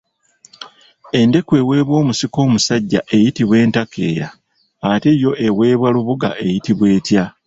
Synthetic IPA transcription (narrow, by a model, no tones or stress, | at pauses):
e̞nde̞kwe̞ːwe̞ːβwo̞ːmusiko̞ːmusaɟːa̰ʔe̞jitiβwe̞ːntakʰe̞ːja̰ː | te̞jo̞ʔe̞we̞ːβwaluβuɡa̰ʔe̞jitiβwe̞ːtja